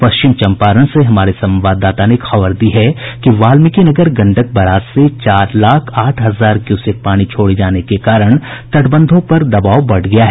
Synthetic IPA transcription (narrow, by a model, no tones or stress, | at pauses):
pɐsʃt͡ʃɪmt͡ʃɐ̃mpaːɾəñseɦɐmaːɾesɐ̃mʋaːd̪ːaːt̪aneːkxɐbəɾd̪iɦɛkiʋaːlmɪkinɐɡəɾɡɐ̃ɳɖək̚bɐɾaːt̪set͡ʃaːɾlaːkʰaːʈʰɦɐzaːɾkjuːsɪk̚paːɽ̃it͡ʃʰoːɽed͡ʒaːnekekaːɾəɽ̃t̪ɐʈʰbə̃nd̪ʱõpɐɾd̪ɐbaːʋwbɐɽɡɐjaɦɛː